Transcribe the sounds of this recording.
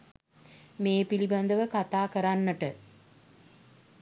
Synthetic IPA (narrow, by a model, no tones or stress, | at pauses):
meːpiliband̪əʋəkat̪aːkəɾanːəʈə